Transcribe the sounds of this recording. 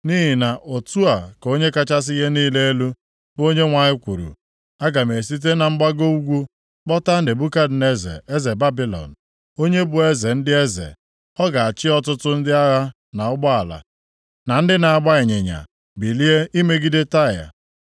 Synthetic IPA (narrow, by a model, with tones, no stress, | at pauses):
ni˦ɦi˨na˨ʔo˨tu˦a˨ko˦ɲe˦ka˦t͡ʃa˦s̬ɪ˦je˦niː˦le˦e˦lu˦ | bo˦ɲe˦ŋʷa˨ɲɪ˦kʷu˨ɾṵ˨ | a˦ɡa˨m˨e˨si˦t̬e˦na˨ŋ͡m̩˦ɡ͡ba˦ɡo˦u˦ɡʷu˦ | k͡pɔ˦ta˦n̩˦dɪ˨bu˦ka˦d̩˨ne˦zḛ˨e˦ze˨ba˦bi˦lɔ̰˨n̩˨ | o˦ɲe˦bʊ˨e˦ze˨n̩˦dɪ˦e˦zḛ˨ | ɔ˦ɡa˨a˨t͡ʃɪ˦ɔ˦tʊ˦tʊ˦n̩˦dɪ˦a˦ɣa˦ | na˨ʊ˦ɡ͡bɔ˦a˨la̰˨ | na˨n̩˦dɪ˦na˨a˨ɡ͡ba˦e˨ɲe˨ɲa̰˨ | bi˨li˦e˦ʔi˦me˦ɡi˦de˦ta˦˨ja̰˨